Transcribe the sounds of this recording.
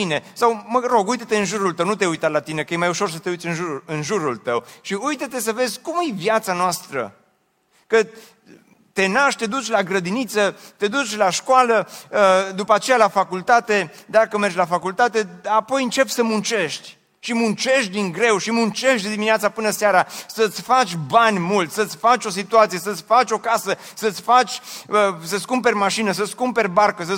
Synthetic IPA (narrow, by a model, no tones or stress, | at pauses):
ine̞sawməɾo̞ɡujt̪ət̪e̞ɨnʒuɾult̪əwnut̪e̞ujt̪at̪lat̪ine̞kəjemajuʃo̞rs̬ət̪e̞ujt̪ʲɨnʒuɨnʒuɾult̪əwʃiujt̪ət̪e̞s̬əve̞zʲkumjevjat̪sanoast̪ɾə̰ | kə | t̪e̞naʃt̪ʲt̪e̞d̪ut͡ʃʲlaɡɾəd̪init̪sət̪e̞d̪ut͡ʃʲlaʃkoalə | d̪upəat͡ʃe̞jalafakult̪at̪e̞d̪akəmert͡ʃʲlafakult̪at̪e̞apo̞jɨnt͡ʃe̞psəmunt͡ʃe̞ʃt̪ʲ | ʃimunt͡ʃe̞ʃt̪̚d̪iŋɡɾe̞wʃimunt͡ʃe̞ʃt̪d̪d̪imineat̪sapɨnəseaɾasət̪sʲfat͡ʃʲbanʲmult̪ʲsət̪sʲfat͡ʃʲo̞s̬it̪uat̪sijesət̪sʲfat͡ʃʲo̞kasəsət̪sʲfat͡ʃʲəsəskumpe̞rʲmaʃinəs̬əskumpe̞rʲbarkəs̬ə